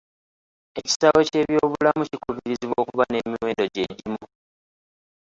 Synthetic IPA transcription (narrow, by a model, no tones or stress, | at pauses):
e̞ci̥sawo̞ce̞ːβjo̞ːβulamucikuβiɾiziβwo̞ːkuβane̞ːmiwe̞ːndo̞ɟe̞ɟimu